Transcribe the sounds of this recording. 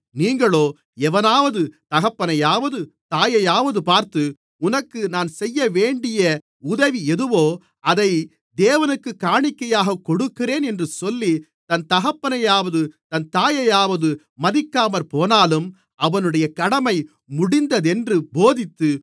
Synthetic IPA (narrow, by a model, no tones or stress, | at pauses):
niːŋɡɐɭoː | ɛʋɐnaːʋɐðɯt̪ɐɣɐpːɐnɐjaːʋɐðɯt̪aːjɐjaːʋɐðɯpaːɾt̪ɯ | ʊnɐkːɯnaːnsɛjːɐʋeːɳɖɪjɐ | ʊðɐʋiɛðɯʋoː | ɐðɐɪ | d̪eːʋɐnɯkːɯkːaːɳɪkːɐjaːɣɐkɔɽɯkːɪreːnɛndrɯsɔlːi | t̪ɐnt̪ɐɣɐpːɐnɐjaːʋɐðɯt̪ɐnt̪aːjɐjaːʋɐðɯ | mɐðɪkːaːmɐɾpoːnaːlɯm | ɐʋɐnɯɽɐjɐkɐɽɐmɐɪ | mʊɽɪnd̪ɐðɛndrɯboːðɪt̪ːɯ